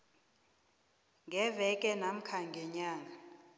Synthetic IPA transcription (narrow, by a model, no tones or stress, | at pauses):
ŋʱɛvɛkʼɛnam̩kʰaŋɡʱɛɲaːŋʱa